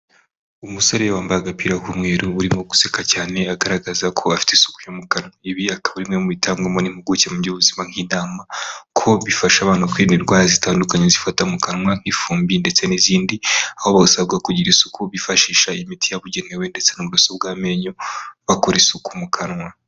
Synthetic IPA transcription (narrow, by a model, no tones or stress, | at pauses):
umuso̞ɾejewaːmbaaɡapiːɾakumŋe̞ːɾuuɾimŋoɡu̥sekacaːne̞aɡaɾaɡazakʰo̞afi̥tesu̥ku̥jomukanŋaiβiakaβuɾimŋemuβitʰaːŋɡemonim̥huɡucemuɟoβuzimaŋ̥iːnaːmakʰo̞βifaʃaβaːnukwiːniɾɡwaːazitaːndukaɲezifatamukanŋwaŋ̥ifuːmbinde̞t͡se̞niziːndiaho̞βaɡasaβ̚ɡakuɟiɾisukuβifaʃiːʃaimitʰijaβuɟe̞ne̞wende̞t͡se̞nomuɾasobɡaːme̞ɲoβakoɾesukumukʰanŋwa